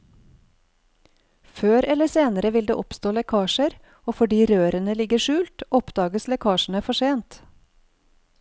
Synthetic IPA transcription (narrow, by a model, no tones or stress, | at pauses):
føːɾɛləseːnəɾəʋɪld̪ḛːʔɔpst̪oːlɛkʰɑːʃəɾ | oːfɔɖiːɾøːɾənəlɪɡəʃʉːlt̪ɔpd̪ɑːɡəslɛkʰɑːʃɳ̩əfɔʃeːnt̪